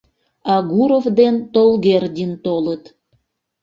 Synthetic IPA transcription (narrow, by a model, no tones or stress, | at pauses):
ɑɣuɾovd̪ent̪olɣerdʲint̪olət̪